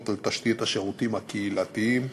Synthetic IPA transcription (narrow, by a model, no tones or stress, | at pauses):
t̪alt̪aʃt̪it̪haʃeʁut̪imhakeilat̪iim